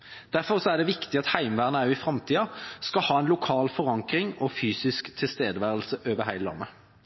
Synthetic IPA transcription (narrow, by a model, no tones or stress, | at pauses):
d̪̥æʁfɔʁsɔæʁɖ̪ɛʋɪkt̪ɪɑt̪hæɪmʋæːʁənəæɾʊɪfʁɑmt̪ʰiːɑskɑhɑːɛnlʊkʰɑːlfɔʁɑŋkʁɪŋɔfyːsɪskt̪ʰɪlst̪eːd̪əʋæːʁəlsəʔøːʋəɦæɪləlɑ̰mːə